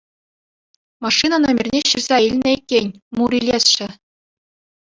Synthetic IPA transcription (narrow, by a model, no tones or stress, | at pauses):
mɑʂːinɑnomʲɘ̆rʲnʲeɕirzʲɑilʲnʲɘ̆ikʲːenʲmuɾʲilʲesɕɘ̆